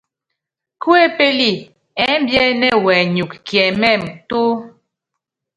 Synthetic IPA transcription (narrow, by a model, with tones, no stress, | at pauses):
ku˦e˦˨pe˦li˦ | ɛ˨˦m˦bjɛ˦nɛ˦wɛ˨ɲu˨kkjɛ˨mɛ˦˨mto˦